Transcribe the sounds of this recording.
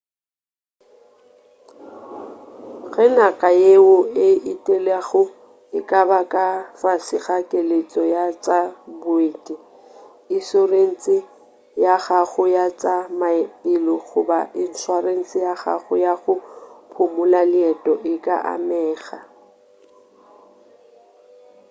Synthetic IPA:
ɣɛnakʼajeʊɪitʼelaɣʊ | ɪkʼabakʼafasɪɣakʼelet͡sʼɔjat͡sʼabʊetʼi | ɪsoren̩t͡sʼɪ | jaɣaɣʊjat͡sʼamaɪlɔɣʊ̰ba̰ʔɪn̩sʰwaren̩t͡sʼɪjaɣa̰ɣʊ̰jaɣʊpʰʊmʊlalɪɛtʼɔʔɪkʼa̰ʔa̰mɛːɣa

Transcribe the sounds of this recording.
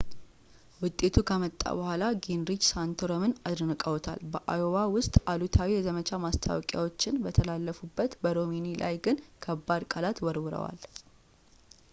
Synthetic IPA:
wʊt̪ʼːe̞t̪ʰukʰəmət̪ʼːa̰bəhʷalaɡenɾid͡ʒsant̪ʰoɾomɨnad̪ɾnɨkʼəwt̪ʰa̰lbəʔajowawʊst̪ʼalut̪ʰawijɛzəmət͡ʃʰamast̪ʰa̰wɔkʼja̰wo̞t͡ʃːɪnbət̪ʰəlalːəfubːət̪bəɾo̞minilʔa̰jɡɨnkʰəbːad̪kʼalat̪wɔɾwɨɾə̰wa̰l

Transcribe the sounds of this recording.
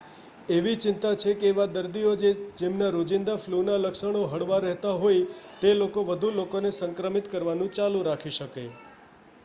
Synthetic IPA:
eʋit͡ʃɪnt̪at͡ʃʰekeːʋad̪əɾd̪iod͡ʒed͡ʒemnaɾod͡ʒɪnd̪aflunaləkʃəɳ̃oɦəɽʋaɾɛɦt̪aɦojt̪elokoʋəd̪ʱulokonesəŋkɾəmit̪kəɾʋanũt͡ʃalũɾakʰiʃəkḛ

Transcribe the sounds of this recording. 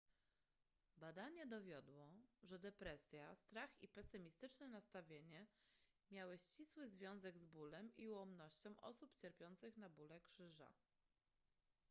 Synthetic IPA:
bad̪aɲɛd̪ɔvʲjɔd̪wɔʐɛd̪ɛpɾɛsʲjast̪ɾaxipɛsɘmʲist̪ɘt͡ʂnɛnast̪avʲjeɲɛ | mʲjawɘɕt͡ɕiswɘzvʲjɔ̃w̃zɛɡzbulɛmiwɔmnɔɕt͡ɕɔ̃w̃ʔɔ̰supt͡ɕɛɾpʲjɔnt̪sɘxnabulɛkʂɘʐa̰

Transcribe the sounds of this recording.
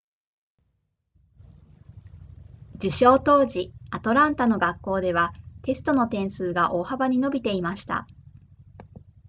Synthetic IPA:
d͡ʑɨɕo̞ːt̪o̞ːʑiat̪o̞ɾãnt̪ano̞ɡakːo̞ːd̪e̞β̞at̪e̞sɨ̥t̪o̞no̞t̪ẽ̞ɰ̃sɨːɡaʔo̞ːhabaɲ̟ino̞bʲit̪e̞imaɕi̥t̪a̰

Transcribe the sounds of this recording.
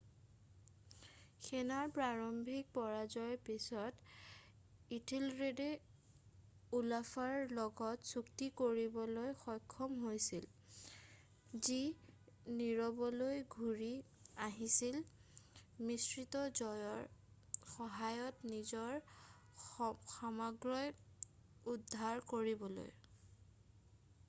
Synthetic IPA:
xɛnaɹpɹaɹɔmbʱik̚pɔɹazɔjpisɔt | itʰilɹede | ulafaɹlɔɡɔtsuktikoɹibɔlojxɔjkʰːɔmɦojsil | zi | niɹɔbɔlojɡʱuɹi | aɦisil | misɹitɔzɔjɔɹxɔɦajɔtnizɔɹ | xamaɡɹɔj | udʱːaɹkoɹibɔlo̰j

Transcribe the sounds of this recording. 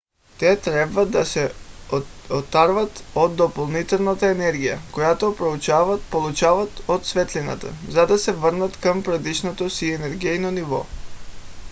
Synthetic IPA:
t̪ɛt̪ɾɛbvad̪asɛ | ot̪ːaɾvat̪od̪ːopolˠnit̪ɛlˠnat̪aɛnɛɾɡija̰kojat̪opɾout͡ʃavat̪polˠut͡ʃavat̪ot̪svɛt̪lina̰t̪a̰zad̪asɛvrnat̪kampɾad̪iʃnot̪osiɛnɛɾɡɛjnonivɔ̰

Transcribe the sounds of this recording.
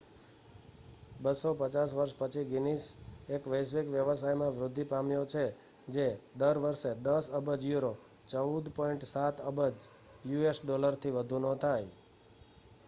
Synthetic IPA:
bəsopət͡ʃas̬ʋəɾʃpət͡ʃʰiɡɪnisekʋəjsʋikʋjəʋəsajmãʋɾʊd̪ʱːipamjot͡ʃʰe | d͡ʒed̪əɾʋəɾʃed̪əsəbəd͡ʒjuɾo | t͡ʃəud̪pɔiɳʈsat̪əbəd͡ʒ | juesɖoləɾt̪ʰiʋəd̪ʱunõt̪ʰaj

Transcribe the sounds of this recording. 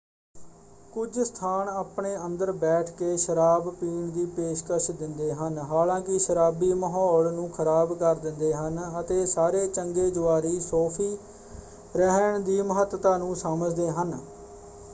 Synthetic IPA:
kʊd͡ʒst̪ʰaːnaːpɳeːə̃nd̪əɾbɛːʈʰkeːʃəɾaːbpiːɳd̪iːpeːʃkəʃd̪ɪnd̪eːɦənɦaːlãːkɪʃəɾaːbiːməɦɔːɭnũːkʰəɾaːbkəɾd̪ɪnd̪eːɦənət̪eːsaːɾeːt͡ʃəŋɡeːd͡ʒʊaːɾiːsɔːpʰiː | ɾəɦəɳd̪iːməɦət̪t̪aːnũːsaməd͡ʒd̪eːɦən

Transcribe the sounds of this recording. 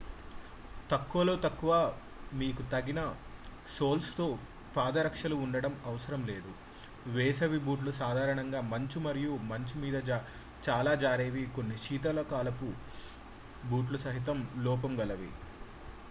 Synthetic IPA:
t̪ɐkːuʋɐlo̞ːt̪ɐkːuʋɐ | miːkut̪ɐɡinɐ | so̞ːlst̪o̞ː | paːd̪ɐɾɐkʂɐluːɳɖɐɽɐmɐʋɐsɐɾɐmle̞ːd̪u | ʋɛːsɐʋibuːʈ̬lusaːd̪ʱaːɾɐɳɐŋɡaːmɐɲt͡ʃimɐɾijumɐɲt͡ʃimiːd̪ɐ | t͡ʃaːlaːd͡ʒaːɾeːʋiko̞nːiʃiːt̪̬ɐlɐkaːlɐpu | buːʈ̬lusɐɦit̪̬ɐmlɔːp̬ɐmɡɐlɐʋḭ

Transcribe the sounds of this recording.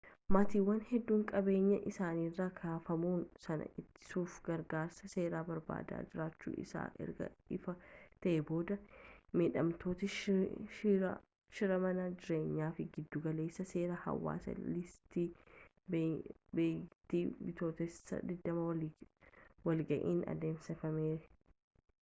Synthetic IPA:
maːt̪iːwːɐnhɛd̪ːuːŋkʼɐbe̞ːɲːɐʔɪsaːniːrːaːkʰaːfɐmuːnsɐnɐ̰ʔɪt̪ːɪ̥suːfɡɐɾɡaːɾsɐse̞ːɾaːbɐɾba̰ːd̪a̰ːd͡ʒɪɾaːt͡ʃːṵːʔɪ̰sa̰ːʔɛ̰ɾɡɐ̰ɪfɐt̪ɐʔɛbo̞ːd̪ɐmeːᶑɐmt̪ʰo̞ːt̪ɪ | ʃɪɾɐmɐnɐd͡ʒɪɾe̞ːɲːaːfɪɡɪd̪ːʊɡɐle̞ːsːɐse̞ːɾɐhɐ̰wːa̰ːsɐ̰lɪst̪iː | bbet̪ːibɪt̪o̞ːt̪ɛsːɐ̰d̪ɪd̪ːɐmɐ | wɐlɡɐʔḭːnɐ̰d̪e̞ːmsɛfɐmeːɾɛ

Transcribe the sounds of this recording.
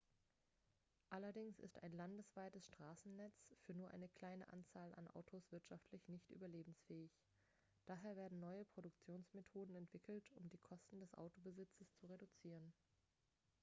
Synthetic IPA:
ʔalɐdɪŋsɪ̰sta̰ɪnlandəsv̥aɪtəsʃtʁ̥aːsn̩nɛt͡sfyːɐnuːɐʔa̰ɪnəkl̥aɪnə̰ʔa̰nt͡saːla̰nʔa̰ʊtʰosv̥ɪɐtʃaftʰlɪçnɪçtʔy̰ːbɐleːbm̩sfɛːɪç | d̥aːɦeːɐveːɐdn̩nɔʏəpʁ̥odʊkt͡sjoːnsmetʰoːdn̩ɛntv̥ɪkʰl̩tʊmdiːkʰɔstn̩dɛsʔa̰ʊtobəzɪt͡səst͡suʁedut͡siːʁən

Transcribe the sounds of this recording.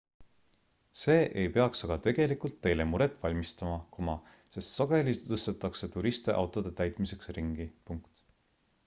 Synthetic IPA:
se̞ːʔe̞jpe̞ɑksɑɡ̥ɑt̪e̞ɡ̥e̞likult̪ːe̞jle̞muɾe̞t̪ːˑvɑlʲmist̪ɑmɑkomɑ | se̞st̪sɑɡe̞lʲit̪ɤst̪et̪ːˑɑkse̞t̪uɾist̪eʔɑ̰wt̪ˑo̞d̪̥e̞t̪æjt̪ˑmise̞ksriŋɡ̥ipuŋkt̪

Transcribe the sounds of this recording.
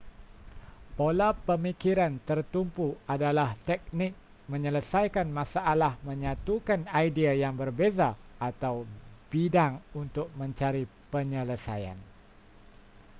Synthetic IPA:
polapəmikiɾant̪ərt̪umpuadalaht̪ɛk̚nɪk̚ | mə̃ɲələsajkanmãsaʔalahmə̃ɲãt̪ukanajdiajaŋbərbezaat̪awb̥idaŋunt̪ʊk̚mə̃ɲt͡ʃaɾipəɲələsaja̰n

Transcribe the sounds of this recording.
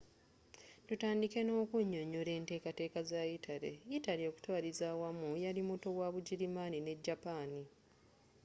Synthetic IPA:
tutaːndike̞no̞ːkuɲːo̞ɲole̞ːnte̞ːkate̞ːkazajitʰale̞̰jitaljo̞ku̥twaːlizaːwamujalimuto̞waβuɟiɾimaːnine̞ɟːapaːni

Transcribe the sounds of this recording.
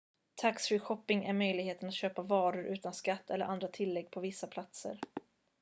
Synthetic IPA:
t̪ʰaksɾɪɧɔpːɪŋæɾmœjlɪɡheːt̪ənat̪ɕøːpavɑːɾʊɾʔʉ̟ːt̪anskat̪ʰːɛlːəɾʔand̪ɾat̪ʰɪlːɛɡːpʰɔvɪsːapʰlat̪sə̰ɾ

